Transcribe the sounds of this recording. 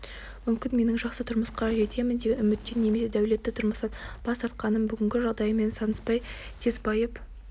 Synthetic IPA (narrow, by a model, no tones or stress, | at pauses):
mʏmkʲɪnme̞nɪŋʒɑqsət̪ʰʊɾməsqɑʒe̞t̪ʰe̞mɪnd̪e̞ɡʲɪnʏmɪt̪ːenːe̞me̞sed̪æwle̞t̪ːɪt̪ʰʊɾməst̪ɑnb̥ɑst̪ɑɾt̪̚qɑnəmbʏɡʲɪŋɡʲɪʒɑʁd̪ɑjəme̞nsɑnəspɑjt̪ʰe̞zbɑjep